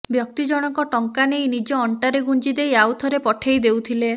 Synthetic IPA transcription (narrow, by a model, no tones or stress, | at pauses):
bjɔk̚t̪id͡ʒɔɽ̃ɔkɔʈɔŋkanejnid͡ʒɔːɳʈaɾeɡunt͡ʃid̪ejawt̪ʰɔɾepɔʈʰejd̪ewt̪ʰile